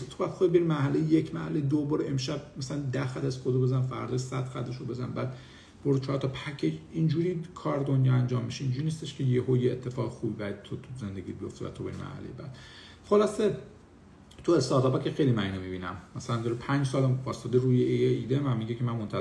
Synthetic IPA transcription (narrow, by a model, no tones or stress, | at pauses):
t̪ʰobæd̪xobibeɾimæhælejejecʰmæhælejd̪oboːɾe̞mʃæb̚mæsælænd̪æxæd̪æszxod̪obezænfæ̰ɾd̪ɒʃsæd̪̥xæd̪eʃobe̞zænbæːd̪̥ | b̥oɾut͡ʃʰɒːɾt̪ʰɒpʰæcʰeind͡ʒuːɾiːkʰɒːɾd̪onjɒænd͡ʒɒːmːiʃeind͡ʒuɾiːnist̪eʃkʰejehojeːt̪ʰːe̞fɒːɣexuːbibææd̪t̪ʰot̪ʰuzend̪eɡiːt̪bijoft̪evæ̰t̪ʰobeɾimæ̰ɾhæ̰lejebæ̰d̪̥ | χolɒse | t̪ʰue̞st̪ɒːt̪ʰɒbæcʰexejlimæniːnomibiːnæmmæsælænd̪ɒɾepʰænd͡ʒsɒːlæmbɒːst̪ɒːd̪eɾuːjeeiːd̪emæmmiɟekʰemænmont̪ʰæ